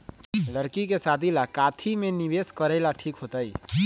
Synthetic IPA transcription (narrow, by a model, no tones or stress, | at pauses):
ləɾkikesaːd̪ʱilakaːt̪ʰimẽniʋeskəɾɛlaʈʰiːkɦot̪aḭ